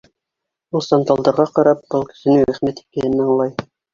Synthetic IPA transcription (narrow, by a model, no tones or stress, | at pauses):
ulˠsɑnd̪ɑlˠd̪ɤ̆ɾʁɑqɑɾɑp̚b̥ɤlˠkɘ̥̆sɘ̆nɘɾæχmæt̪i̥kæj̪ɘnːæɑɴlˠɑj